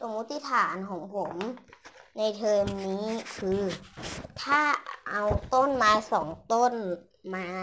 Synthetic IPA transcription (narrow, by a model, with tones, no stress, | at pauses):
so˧˦mːu˦˥t̪ʰːi˧˥˨t̪ʰaː˩˦nkʰɔː˩˦ŋpʰo˩˦m | na˧jt̪ʰɤː˧mniː˦˥kʰɯː˧t̪ʰaː˥˩ʔa˧wt̪o˥˩˨nmaː˧jsɔː˩˦ŋt̪o˥˩˨n | maː˧